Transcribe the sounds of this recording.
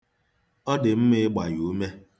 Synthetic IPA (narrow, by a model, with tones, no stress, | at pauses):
ɔ˦dɪ˨m̩˦mɪ˦ɡ͡ba˨ju˨˦me˦